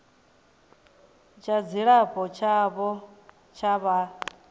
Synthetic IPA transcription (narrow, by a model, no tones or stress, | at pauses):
t͡ʃʰad͡ziɺaɸʰʼɔt͡ʃʰaβɔ | t͡ʃʰaβa